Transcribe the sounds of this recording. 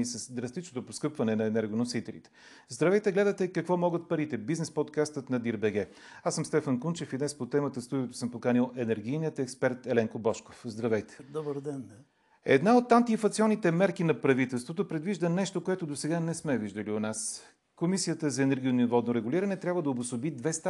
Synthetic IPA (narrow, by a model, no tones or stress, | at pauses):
isəsd̪ɾɐst̪it͡ʃnot̪oposkɤpvɐnɛnɐɛnɛɾɡonosit̪ɛlḭt̪ɛ̥ | zd̪ɾɐvɛjt̪ɛɡlɛd̪ət̪ɛkɐkvɔmɔɡət̪̚pɐɾit̪ɛbiznɛspot̪kast̪ət̪nɐd̪iɾbɛɡɛ | asəmst̪ɛfənkunt͡ʃɛfid̪nɛspot̪ɛmət̪əst̪ud̪iot̪o̥səmpokanilˠɛnɛɾɡ̟ijniət̪ɛkspɛɾt̪ɛlɛŋkobɔʃko̥fzd̪ɾɐvɛjt̪ɛ̥d̪ɔbəɾd̪ɛn | ɛ̰d̪naot̪ːant̪iːfɐt̪siɔnːit̪ɛmɛɾkinɐpɾɐvit̪ɛlˠst̪vot̪opɾɛd̪viʒd̪ənɛʃt̪okoɛt̪od̪osɛɡanɛsmɛviʒd̪əlionas | komisijət̪əzɐɛnɛɾɡʲionivɔd̪noɾɛɡuliɾɐnɛt̪ɾʲabvəd̪ɐobʊsobid̪vɛst̪a